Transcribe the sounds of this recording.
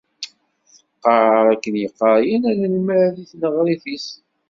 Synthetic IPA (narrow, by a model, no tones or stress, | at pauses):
θəqːəʕɾˤækːənjəqːəɾˤjænælælməɾðiθnəʁɾiθis